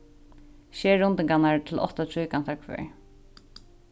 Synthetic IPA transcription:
ʃɛːɹʊnt̪ɪŋkanaɹt̪ʰɪlɔ̰ht̪at̪ʰɹuːkan̥t̪ʰaɹkʰʋɛ̰ːɹ

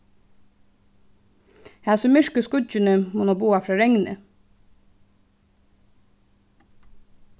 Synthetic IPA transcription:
hæsɔmɪʃkəskʊd͡ʒɪnəmuːnɔːbuːɑfɾɑːɾɛŋnə̰

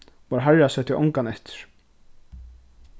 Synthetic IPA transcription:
vɔɾɦaɾasɛt̪ʰːɪʔɔ̰ŋkanɛht̪ɪ̥ɾ̥

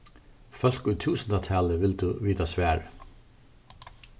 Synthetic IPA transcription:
fœlkʉːt̪ʰʉːsn̩d̪ɑt̪ʰæːləʋɪld̪ʉːʋiːt̪asʋæːɹ

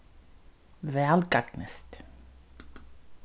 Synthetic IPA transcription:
ʋɛlɡaɡ̥nə̰st̪

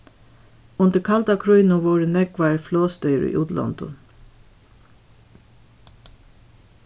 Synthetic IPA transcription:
ʊnd̪əkʰɑld̪akʰɹœʏnʊʋoːɹənɛɡʋɑːɹfloːst̪œʏɹḭːʔuːd̪lɔ̰nd̪̥ɔ̰n

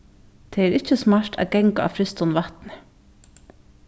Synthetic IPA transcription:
t̪ʰeæɾɪc͡çəsmɑɾʈæ̰ːɡɛŋkaɑ̰fɾɪst̪ʊnʋɑt̪nə̥

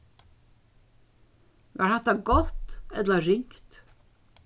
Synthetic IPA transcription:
aɾhat̪aɡɔt̪ɛt̪ləɾɪŋkt̪

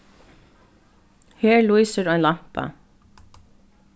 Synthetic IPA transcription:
heːɹɭuɪsəɾoːeːnlɑmpɑ̰

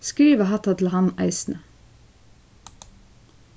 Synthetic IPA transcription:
skɾiːʋəhɑt̪ɑt̪ʰl̩hɑnæ̰ɪsn̩ə

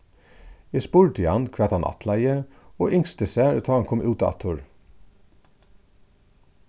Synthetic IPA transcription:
eːspuːɹt̪ʰɪɑnkʰʋɛːt̪hɑnʔɑ̰t̪ʰlæɪəoːʔʏŋst̪əsæːɾʉt̪ʰɑːɑnkʰɔmʔʉːt̪ɑɑ̰t̪ʰuɹ

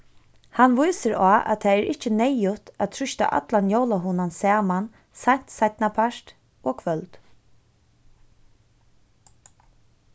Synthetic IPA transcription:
hanʋujsɪɾaːʔa̰t̪ʰaːɛɾʔɪht͡ʃɪnɛjʊt̪at̪ʰɾʏʃt̪a̰ʔa̰t̪lanjowlaɦʊnansæːman | saɲ̥t̪sajt̪̚napʰaʂt̪ | oːɡkʰʋœlt̪

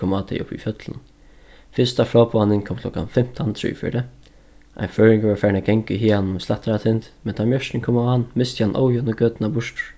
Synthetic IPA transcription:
ɔːmat̪ʰɛ̰jʔʊ̰pːḭfœt̪lə̰n | fɪst̪afɾɔːpɔːanɪnkʰɔːmkʰl̥ɔka̰nfɪm̥t̪ʰant̪ʰɾɪ̰ːfɪ̰d̪ɛ | ʔa̰ɪnføːɹɪŋkʋɛɾfɛːɹnaɡɛŋkəɦiːhannʊmslaht̪aɾat̪ʰɪnt̪mɛnt̪ʰamjœʂtɪŋkʰɔːmahanːmɪst̪hanːʔo̰wjɔnəɡøːt̪ɪnabʊʂt̪ʊɹ̥

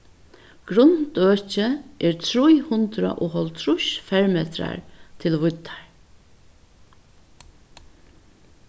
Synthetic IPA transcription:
ɡ̥ɾʊnt̪øːt͡ʃəʔɛɹt̪ʰɾujhʊnt̪ɾa̰ʔʊɦɔlt̪ʰɾʊʃfɛɹmeːt̪ɾa̰ɹt̪ʰɪlʋʊt̪ːḁɹ

